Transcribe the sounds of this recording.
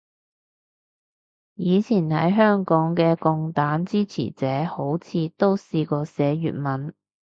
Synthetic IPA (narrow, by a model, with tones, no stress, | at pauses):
jiː˨˧t͡sʰiː˨˩nhɐ˨˥jɦœː˥ŋkɔː˨˥ŋkɛː˧kʊ˧ŋt̪aː˨˥nt͡siː˥t͡sʰḭ˨˩t͡sɛː˨˥ho˨˥wt͡sʰiː˧t̪o˥wsiː˧kɔː˧sɛː˨˥jy̰ː˨t̚mɐ˨˥n